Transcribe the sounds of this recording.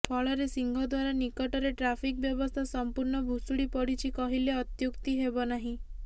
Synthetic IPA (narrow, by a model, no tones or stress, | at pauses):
pʰɔɭɔɾesiŋɡʱɔd̪waɾanikɔʈɔɾeʈɾapʰik̚bjɔbɔst̪ʰasɔmpuɾɳɔbʱusuɽipɔɽit͡ʃʰikɔɦileɔt̪jukt̪iɦebɔnaɦĩ